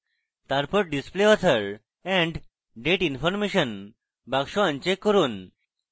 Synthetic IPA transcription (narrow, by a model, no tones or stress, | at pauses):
t̪aɾpəɾɖispleɔt̪ʰəɾ | ɛ̃ɳɖ | ɖeʈinfɔɾmeɕən | baɡɕɔə̃nt͡ɕekːəɾuːn